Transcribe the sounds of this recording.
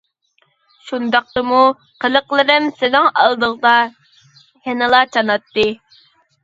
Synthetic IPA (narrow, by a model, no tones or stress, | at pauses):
ʃund̪ɑq̚t̪ɨmu | qʰəlˠəqlˠɨɾɪmsɪnɪŋɑlˠd̪əʁd̪ɑ | henɨlˠɑt͡ʃʰɑnɑt̪ːɨ